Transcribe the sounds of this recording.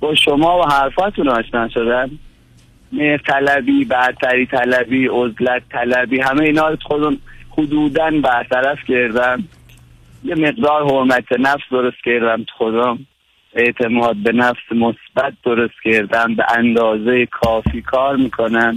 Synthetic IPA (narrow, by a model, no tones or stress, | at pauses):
b̥ɒːʃomɒːvoɦæɾfɒːt̪ʰunɒːʃnæʃod̪æn | meht̪ʰælæbiːbæɾt̪ʰæɾiːt̪ʰælæbiːozlæt̪ʰːælæbiːɦæmeiːnɒːɾot̪u̥xod̪ɔmhʊd̪uːd̪ænbæɾt̪ʰæɾæfcʰeɾd̪æm | jeme̞ɣd̪ɒːɾhoɾmæt̪ʰenæfsd̪o̞ɾost̪kʰeɾd̪æmt̪ʰu̥xod̪ɔm | e̞ʔt̪ʰe̞mɒːd̪̚be̞næfsemosb̥æt̪̚d̪oɾost̪ceɾd̪æmbeʔænd̪ɒːzejekʰɒːfiːkʰɒːɾmiːkʰonæn